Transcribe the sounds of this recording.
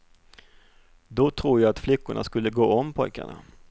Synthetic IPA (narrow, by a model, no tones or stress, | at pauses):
d̪ɔt̪ʰɾuːjaːat̪flʏkːʊɳʔa̰skɵlːəɡoːɔmːpʰɔjka̰ɳa̰